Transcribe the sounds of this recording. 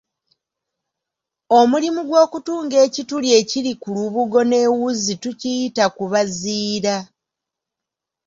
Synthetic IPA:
o̞mulimuɡwo̞ːkutuːŋɡe̞ːcitulje̞ːcilikuluβuɡo̞ne̞wuzitucijitakuβaziːɾa

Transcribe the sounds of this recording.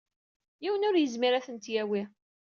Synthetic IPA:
jiwənʊɾjəzmiɾæθənt̪jæwi

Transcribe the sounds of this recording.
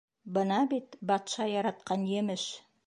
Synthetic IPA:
bənɑbit̪bɑt̪ʃɑjɑɾɑt̪qɑnjemɪʃ

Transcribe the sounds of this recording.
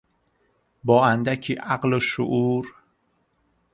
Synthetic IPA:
bɒːænd̪æcʰiːʔaɢloʃo̰ʔuːɾ

